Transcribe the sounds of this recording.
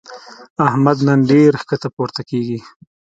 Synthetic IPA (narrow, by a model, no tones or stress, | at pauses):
ahmad̪nanɖeɾxkət̪apoɾt̪akeɡi